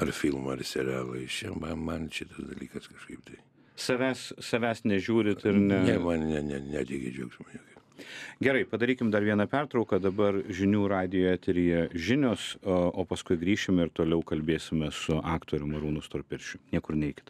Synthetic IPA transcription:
ɐrfʲilˠmɐɐrsʲɛɾʲæːʋɐɪt͡ʃʲɛmɐnmɐnʃʲɪt̪ɐsd̪ɐlʲiːkɐskɐʃkɐɪpt̪ɐɪ | sɐʋʲæːssɐʋʲæːsnʲɛʒʲuːɾʲɪt̪ɪɾnʲɛnʲɛmɐnnʲɛnʲɛnʲæːt̪ʲiɡʲɪd͡ʒʲɛːkʒmɐnʲuːkɐɪɡʲɛɾɐɪpɐd̪ɐɾʲiːkʲɪmd̪ɐɾʋʲiɛnɐpʲært̪ɾɐʊkɐd̪ɐbɐrʒʲɪnʲuːɾɑːd̪ʲɪjoːɛt̪ʲɪɾʲɪjɛʒʲɪnʲoːsoːpɐskʊɪɡɾʲiːʃʲɪmʲɛɪɾt̪oːlʲɛʊkɐlʲbʲeːsʲɪmʲɛsʊʔɑːkt̪oːɾʲʊmɐɾuːnʊst̪oːɾpʲɪɾʲʃʲʊnʲiɛkʊrnʲɛɪkʲɪ̥t̪

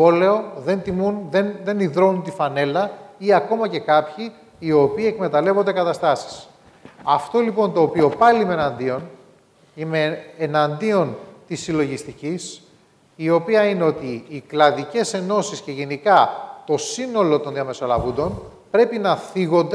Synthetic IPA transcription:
o̞le̞o̞ðe̞nt̪imunðenðe̞niðɾo̞nunt̪ifɐne̞lɐiɐko̞mɐce̞kɐpçiː | o̞piːe̞kme̞t̪ɐle̞vo̞nd̪e̞kɐt̪ɐst̪ɐsi̥s | ɐft̪o̞lipo̞nt̪o̞ːpio̞pɐliimeenɐnd̪io̞n | imeːnɐnd̪io̞nt̪isːilo̞ʝist̪icis | io̞piɐine̞o̞t̪iːklɐðice̞se̞no̞sisce̞ʝe̞nikɐt̪o̞sino̞lo̞t̪o̞nðiɐme̞so̞lɐ̰vund̪o̞n | pɾe̞pinɐθiɣo̞nd̪e

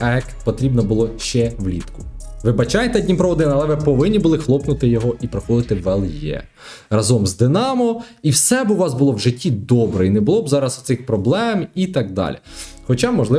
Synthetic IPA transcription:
ɛkpɔt̪ɾʲibnɔbʊlˠɔʃt͡ʃɛwlʲḭt̪kʊ̥ʋɪbɐt͡ʃɑjt̪ɛdʲnʲimpɾɔʋɔd̪ɪnɐlˠɛʋɪpɔʋɪnʲːibʊlˠɪxlˠɔpnʊt̪ɪjɔɦɔʔipɾɔxɔd̪ɪt̪ɪʋɛlˠjɛ̰ | rɐzɔmzd̪ɪnɑmɔ | iwsɛbʊʋɑzbʊlˠɔwʒɪtʲːid̪ɔbɾɛinɛbʊlˠɔbzɑɾɐsʊt̪sɪxpɾɔblˠɛmit̪ɑɡ̚d̪ɑ̰lʲḭxɔt͡ʃɑmɔʒlˠɪ

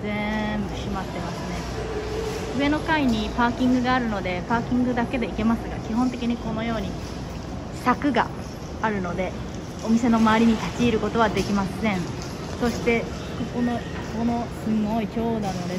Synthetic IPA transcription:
zẽmbɯ̟ɕimat̪ːe̞masɨne̞ | ɯ̟e̞no̞kaiɲ̟ipaːkʲĩŋɡɯ̟ɡaːɾɯ̟no̞d̪e̞paːkʲĩŋɡɯ̟d̪ake̞d̪e̞ike̞masɨɡa̰kʲiɦõ̞nt̪e̞kʲiɲ̟iko̞no̞jo̞ːɲ̟i | ɕi̥t̪akɯ̟ɡa̰ | aɾɯ̟no̞d̪e̞ | o̞mʲise̞no̞maːɾʲiɲ̟it̪at͡ɕiːɾɯ̟ko̞t̪o̞β̞ad̪e̞kʲimasẽ̞ɴ̃ | so̞ɕi̥t̪e̞ | koko̞no̞ | kono̞sɨmoikʲo̞ːnano̞d̪e̞

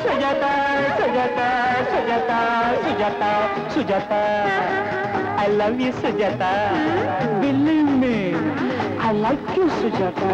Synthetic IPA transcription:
səd͡ʒat̪asəd͡ʒat̪asəd͡ʒat̪asəd͡ʒat̪a | sud͡ʒat̪a | ajlavjusəd͡ʒat̪a | bilimiŋʔajlajkjusəd͡ʒat̪a

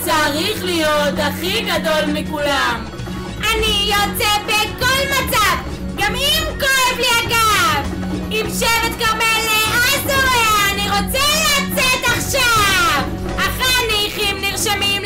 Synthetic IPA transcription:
t͡saʁiχlijotaχiɡadolmikulam | ʔanijot͡sebeko̞lmat͡sav | ɡamimkoevliaɡav | imʃevet̪ɡaʁmeliazoʁeaniʁot͡sɛleat͡set̪aχʃav | aχaneiχimniʁʃamim

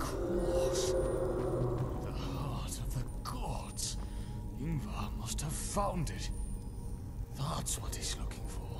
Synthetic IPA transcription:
kʰɹɔs | ðəhhɑɹɾʌvðəɡɑdz̥ | ɪ̃ŋvəmʌst̚həv̥fãʊ̃ndɪt̚ | ðætswʌt̚hizlʊkʰɪ̃ŋfə˞

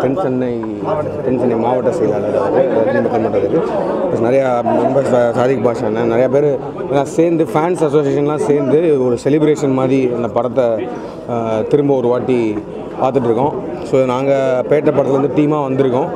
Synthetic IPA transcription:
pɛnsɐnːɐɪ | pɛnt͡ʃɐnːɐɪmaːʋɐʈːɐ̃sɛjɐlaːlɐːðaːʋɐðɯɐnd̪ɐt̪ɪɾɯmbɐp̪ːɐnmɐʈːɐlɯkːɯplɐːsnɪɾɐjaɾɔmbɐssaːðɪkːɐpaːt͡ʃːãːnːɐnɪɾɐjaːp̬eːɾ | ɐnːaːseːɾnd̪ɯfaːnsɐsoːsɪjeːʂɐnlãːseːɾnd̪ɯɔɾɯsɛlɪbɾeːʂɐnmaːðɾiɐnd̪ɐpɐɽɐt̪ːɐ | t̪ɪɾɯmbɐɔɾɯʋaːʈːi | paːɾt̪ɯʈ̬ːɪɾɯkːõ | soːnãːŋɡɐpeːʈːɐpːɐɽɐt̪ɪlɐɾɐnd̪ɯʈ̪iːmaːʋɐnd̪ɯɾɯkːʊ̃

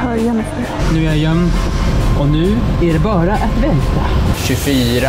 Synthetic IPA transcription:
hœɾjan | nʉ̟ːæɾjɛmː | ɔnʉ̟ːæɖɛbɑːɾaʔat̪vɛnt̪ʰaɕɵfyːɾa

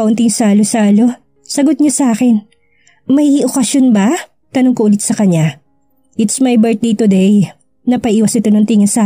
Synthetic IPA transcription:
ɐʔʊnt̪ɪŋsaːlosaːlo̞ | sɐɡot̪̚ɲosɐʔaːkɛn | mɐjʔokɐsjonbɐ | t̪ɐnoŋkoʔʊlɪt̪̚sɐkɐɲːa | ʔɪt̪smɐjbɛɹt̪̚d̪ejt̪ʊd̪ej | nɐpɐʔʔiːwɐsɪt̪o̞nɐŋt̪iŋɪnsa

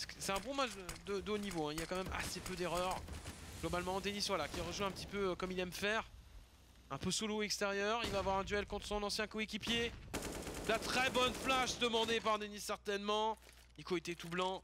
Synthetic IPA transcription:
sksɛt̪ɛ̃bɔ̃maʒdəd̪əd̪onivoɛ̃iljakɑ̃mɛma̰sepød̪eʁœʁɡ̥lɔbalmɑ̃ːd̪enisvwalakʲiʁəʒuɛ̃pət̪ipøkɔmilɛmfɛʁ | ɛ̃pøsuloɛkst̪eʁjœʁilvaːvwaʁɛ̃d̪yɛlkɔ̃t̪χəsɔ̃nɑ̃sjɛ̃koekʲipje | lat̪χɛbɔnflaʃd̪əmɑ̃d̪epaʁd̪enisːɛʁt̪ɛnmɑ̃ | ikoet̪et̪ublɑ̃

